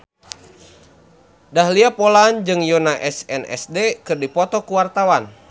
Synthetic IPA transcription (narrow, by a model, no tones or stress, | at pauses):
dahliapɔland͡ʒɨŋjɔnaʔɛsɛnɛ̰sdekɨrdipɔt̪ɔkuwart̪awan